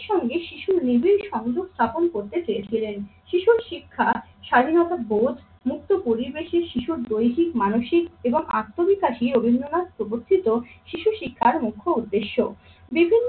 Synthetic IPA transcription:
ʃɔŋɡeʃiʃuɾnibiɾʃɔŋd͡ʑoɡst̪ʰaponkoɾt̪et͡ɕeet͡ɕʰilenʃiʃuɾʃikʰːaʃad̪ʱinɔt̪abod̪ʱ | muk̚t̪opoɾibeʃeɾʃiʃuɾd̪ojɦikmanoʃikeboŋakt̪ːobikaʃiɾobʱinːonad̪pɾoboɾt̪ʰit̪oʃiʃuʃikʰːaɾmukʰːoud̪ːeʃːo | bibʱinː

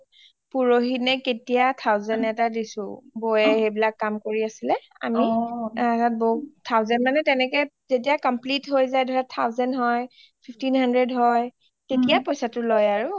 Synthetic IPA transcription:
puɹoɦinɛketijat̪ʰawzɛnɛtadisʊ̰̃bojɛhejbilakːamkoɹiasilɛ | a̰miatat̚boutʰawzɛnmanɛtɛnɛkɛ | zet̬ijakɔmplitɦojzajdʱɔɹatʰːawzɛnɦɔj | pʰipʰtinhandɹɛdɦɔj | tetijapojsatʊlojaɹʊ

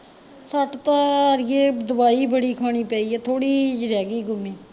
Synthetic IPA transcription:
səʈt̪aːɾjeːd̪əbaːiːbəɽiːkʰaːɳ̃iːpaːiːɛːt̪ʰoːɽiːd͡ʒɾɛːɡiːɡʊmiː

